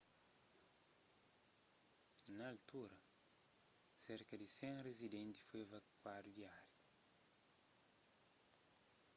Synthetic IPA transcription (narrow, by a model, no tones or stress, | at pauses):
nɐːlt̪uɾɐ | seɾkɐd̪isẽnrezid̪ɛ̃nt̪i̥fevɐkwaɾud̪iaɾ